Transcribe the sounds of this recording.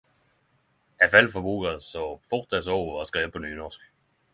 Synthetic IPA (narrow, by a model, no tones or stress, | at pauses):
æfæl̰fɒbṵːɡ̥ɐsɒfɔd̥ɛ̥sɔʊɒsɡ̥ʁɛːəpʰɒ̽ny̰ːnɒsɡ̥